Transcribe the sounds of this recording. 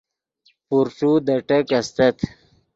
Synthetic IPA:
puɾʈ͡ʂud̪ɐʈɐkɐst̪ɐt̪

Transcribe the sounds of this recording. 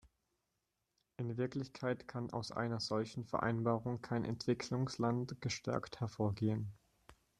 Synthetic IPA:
ʔɪnvɪɐklɪçkʰaɪtkʰanʔa̰ʊsʔa̰ɪnɐzɔlçn̩fɛɐʔa̰ɪnbaːʁʊŋkʰaɪnʔɛ̰ntv̥ɪkʰlʊŋslantɡ̥əʃtʰɛ̰ɐkthɛɐfoːɐɡeːən

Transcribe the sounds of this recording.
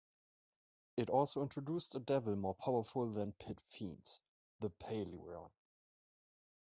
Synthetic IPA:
ɨtɔlˠsoʊɪ̃ntɹ̥oduːstədɛvl̩ˠmɔɹpʰaʊə˞fʊlˠðæ̃npʰɪtfḭ̃ns | ðəpʰeɪlḭɹ̰ɔ̰̃n

